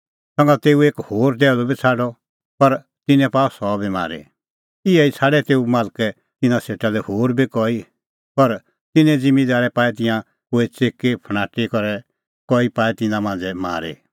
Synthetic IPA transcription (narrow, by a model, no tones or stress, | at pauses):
sɐ̃ŋɡat̪eːueːkhoːɾd̪ɛːlɔbit͡sʰaːɖɔ | pɐɾ | t̪ɪnɛ̃paːɔsɔːbima̰ːɾḛ | ɪɛit͡sʰaːɖɛt̪eːumaːlkɛ | t̪ɪnãseːʈalɛhoːɾbikɔi | pɐɾ | t̪ɪnɛ̃d͡zɪ̃mːid̪aːɾɛpaːɛt̪ɪ̃jã | koːit͡seːkːepʰəɽ̃aːʈikɔɾɛ | kɔipaːɛt̪ɪnãmãːnd͡zɛma̰ːɾḛ